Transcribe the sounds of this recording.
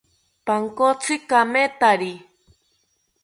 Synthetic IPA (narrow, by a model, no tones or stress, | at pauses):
paŋkot͡sʰɨkamet̪aɾi